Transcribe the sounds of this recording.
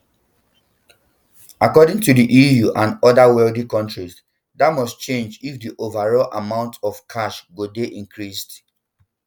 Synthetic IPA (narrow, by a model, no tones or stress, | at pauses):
akɔdɪ̃ŋtudiʔijuʔãnɔdawɛldikɔ̃ntɹis | datmɔst͡ʃẽnd͡ʒifdiʔovaɹɔlʔamãʊ̃ntɔfkʰaʃɡodeʔĩŋkʰɹist